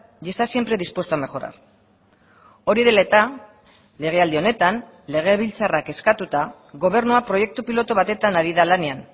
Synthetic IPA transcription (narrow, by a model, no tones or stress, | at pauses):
est̪asje̞mpɾe̞ðispwest̪oame̞xo̞ɾa̰ɾ | o̞ɾiðe̞laet̪a | le̞ɣ̞e̞ald̪io̞ne̞t̪an | le̞ɣ̞e̞βilt͡sarake̞skat̪ut̪a | ɣo̞β̞e̞ɾnuapɾo̞je̞k̚t̪upilo̞t̪oβat̪e̞t̪anaɾiðalane̞an